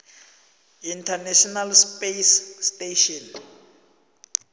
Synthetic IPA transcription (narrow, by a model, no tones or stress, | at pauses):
intʰanɛʃɔnalspesːteʃɔn